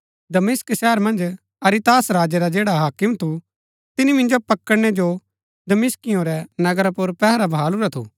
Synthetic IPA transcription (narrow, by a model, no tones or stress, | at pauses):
d̪ɐmɪsksɛːɦəɾmɐ̃nd͡ʒ | ɐɾit̪aːsɾaːd͡ʒɛɾad͡ʒeːɽaɦaːkɪmt̪ʰu | t̪ɪnimɪ̃nd͡ʒopɐkːəɽɽ̃ɛd͡ʒo | d̪ɐmɪskɪjõɾɛnɐɡəɾapʊɾpɛɦɾabʱaːlʊɾɛt̪ʰṵ